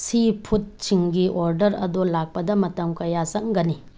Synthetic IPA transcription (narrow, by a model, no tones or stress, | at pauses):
sipʰut̚t͡ʃiŋɡiʔoɾdɐɾɐ̰dolak̚pɐdɐmɐtɐmkɐjasɐŋɡɐni